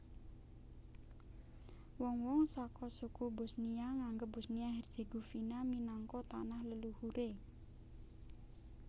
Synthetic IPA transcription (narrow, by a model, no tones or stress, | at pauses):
wɔŋwɔŋsakɔsukubʊ̤snijaŋaŋɡəp̚bʊsniaɦɛrseɡofinaminaŋkɔt̪anahləluhuɾʔe